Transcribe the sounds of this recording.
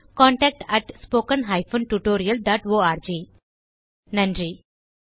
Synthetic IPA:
kɔ̃ɳʈɛk̚ʈɛʈspokənɦajfonʈuʈoːɾijəlɖaʈoaɾd͡ʑiː | nãnɖɾiː

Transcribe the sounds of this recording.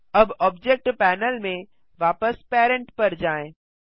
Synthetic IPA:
ɐbɔːbd͡ʒek̚ʈpɛːnəlmẽ | ʋaːpəspɛːɾə̃ɳʈpɐɾd͡ʒaːẽː

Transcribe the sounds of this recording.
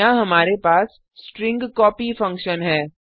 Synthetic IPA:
ãɦɐmaːɾepaːs | sʈɾɪ̃ŋɡkɔːpifɐ̃ŋkʃənɦɛː

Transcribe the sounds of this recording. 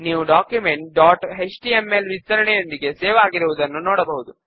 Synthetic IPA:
niːʋuɖaːkjume̞ɳʈɖaːʈɦet͡ʃʈiemelʋist̪ɐɾɐɳɛjo̞nd̪iɡe̞seːʋɐaːɡiɾuʋud̪ɐnːunɔːɽɐbɐɦud̪u

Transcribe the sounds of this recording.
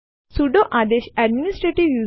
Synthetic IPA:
suɖoʔad̪eɕæɖminisʈɾeʈiʋju

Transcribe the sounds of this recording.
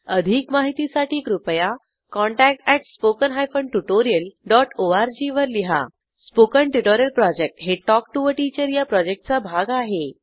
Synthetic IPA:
əd̪ʱiːkmaɦit̪isaʈʰiːkɾupja | kɔ̃ɳʈæk̚ʈæʈspokənɦajfəɳɖʈuʈoɾijəlɖɔʈoaɾd͡ʑiʋəɾliɦa̰ | spokəɳʈuʈoɾjəlpɾɔd͡ʑek̚ʈɦeʈɔk̚ʈuʋəʈit͡ɕəɾjapɾɔd͡ʑek̚ʈ̚t͡sabʱaɡaɦe

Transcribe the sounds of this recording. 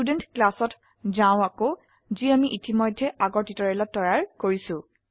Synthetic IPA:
udenʈklasɔt | zãʊ̃ako | ziamiʔitimɔjdʱːɛʔaɡɔɹtitɔɹɛlɔtːɔɹaɹkoɹisʊ̃

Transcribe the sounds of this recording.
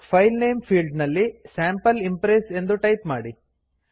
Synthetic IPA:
pʰɐjlnejmpʰiːlɖnɐlːisaːmpɐlimpɾeːse̞nd̪uʈɐjpmaːɽi

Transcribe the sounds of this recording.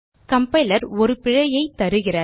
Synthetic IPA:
kɐmpɐɪlɐɾɔɾɯpɪɻɐjɐɪt̪ɐɾɯɣɪrɐ

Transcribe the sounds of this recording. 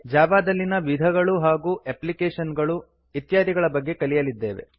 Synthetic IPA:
d͡ʒaːbaːd̪ɐlːinɐʋid̪ʱɐɡɐɭuɦaːɡuːʔeplikeːʂɐnɡɐɭu | it̪jaːd̪ʱiɡɐɭɐbɐɡːe̞kɐlijɐlid̪ːe̞ːʋe̞̰

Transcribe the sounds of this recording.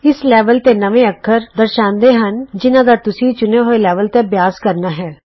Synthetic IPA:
ɪslɛːʋəlt̪enɐʋẽɐkʰːəɾd̪əɾʃãːnd̪eɦɐnd͡ʒɪnãd̪əɾt̪ʊsit͡ʃʊneɦoelɛːʋəlt̪ebjaːzkɐɾnaɦɛː

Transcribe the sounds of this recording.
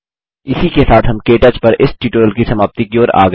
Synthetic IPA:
ɪsikesaːt̪ɦɐmkeːʈaːt͡ʃpɐɾʔɪsʈiːʈoːɾəlkisɐmaːbt̪ikioːɾa̰ːɡ

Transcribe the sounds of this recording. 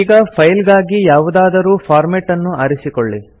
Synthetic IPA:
iːɡɐpʰɐjlɡaːɡijaːʋud̪aːd̪ɐɾuːpʰaːɾmeʈːɐnːuɐɾisikɔɭːi

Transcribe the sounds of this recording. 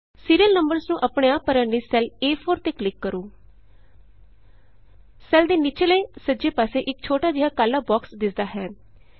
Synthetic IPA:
siːɾijəlnəmbəɾznũːʔəpɳeːaːpəɾə̃niːsɛleːfʰoːɾt̪eːklɪkːəɾuː | sɛːld̪eːnɪt͡ʃʰeːleːsəd͡ʒeːpaːseːʔɪk̚t͡ʃʰoːʈaːd͡ʒɪɦaːkaːlaːbɔːksd̪ɪsd̪aːɦɛː

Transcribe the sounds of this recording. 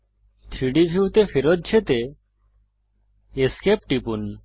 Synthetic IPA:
t̪ʰɾiɖibʱiut̪efeɾot̪̚t͡ʃʰet̪e | eskep̚ʈipun

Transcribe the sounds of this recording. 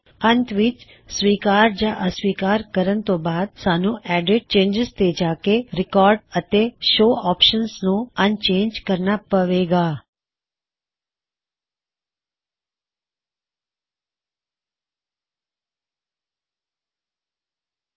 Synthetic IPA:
ənt̪ʰʋit͡ʃ | sʋiːkaːɾd͡ʒaʔəsʋiːkaːɾkəɾənt̪obaːd̪̚saːnũʔɛɖɪʈ̚t͡ʃẽːɲd͡ʒɪst̪ed͡ʒaːkeɾɪkɔːɾɖət̪eʃoːɔːpʃənsnõənt͡ʃẽːnd͡ʒkəɾnapəʋeɡaː

